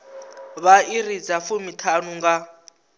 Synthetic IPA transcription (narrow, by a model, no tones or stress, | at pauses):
βairid͡zafumitʰanuŋɡa